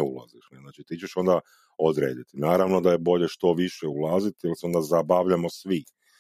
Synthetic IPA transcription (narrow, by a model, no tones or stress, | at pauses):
ula̰ziʃnznaːt͡ʃit̪iːt͡ʃeʃo̞nd̪a | od̪ɾḛːd̪it̪inaːɾaʋno̞d̪aje̞bo̞ʎe̞ʃt̪o̞ʋiʃeulˠaːzit̪ijalseo̞nd̪azabaʋʎamosʋi